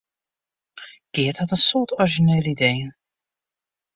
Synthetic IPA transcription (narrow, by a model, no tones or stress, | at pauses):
ɡ̥ɪəthɑtənsʊːtɔɹʒineːləidejən